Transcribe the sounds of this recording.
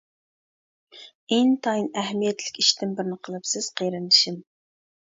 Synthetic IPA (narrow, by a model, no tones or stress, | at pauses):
eŋt̪ʰɑinɛɦmijɛt̪lɪkʲiʃt̪ɪmbɪɾnɪqʰəlˠɨpsɪz̥qʰejɾɨnɨʃim